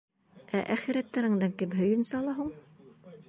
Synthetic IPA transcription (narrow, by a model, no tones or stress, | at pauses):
æʔæχɘ̆ɾæt̪ːæɾɘ̆ŋd̪æŋkɘmɦɵ̆jɵ̆nsɑlˠɑɦuɴ